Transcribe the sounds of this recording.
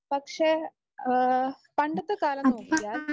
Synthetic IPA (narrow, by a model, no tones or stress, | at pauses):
pɐkʂe | pɐɳɖɐt̪ːɐkaːlɐnːokːuɡjaːl